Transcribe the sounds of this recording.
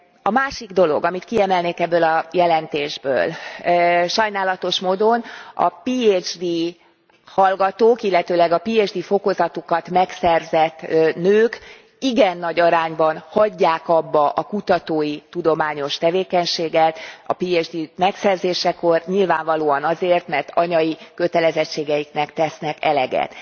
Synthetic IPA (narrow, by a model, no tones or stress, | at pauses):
ɒmaːʃiɡd̪o̞lo̞̰ɡɒmit̪kiɛmɛlneːkɛbːøːlɒjɛlɛnt̪eːʒbø̰ːl | ʃɒjnaːlɒt̪o̞ʃmoːd̪o̞nɒ̰piːed͡ʒd̪i | hɒlɡɒt̪oːkilːɛt̪øːlɛɡɒpiːed͡ʒd̪iːfo̞ko̞zɒt̪okɒt̪mɛksɛrzɛt̪ːnøːk | iɡɛnːɒɟɒɾaːɲbɒnhɒɟːaːkɒbːɒʔɒkut̪ɒt̪oːjit̪ud̪o̞maːɲo̞ʃt̪ɛveːkɛɲʃeːɡɛt̪ɒ̰piːeːd͡ʒd̪iːmɛksɛrzeːʃɛkorɲilvaːɱvɒloːɒnɒzeːrt̪mɛrt̪ʰɒɲɒjikø̞t̪ɛlɛzɛt͡ʃːeːɡɛjiknɛkt̪ɛsnɛkɛlɛɡɛ̰t̪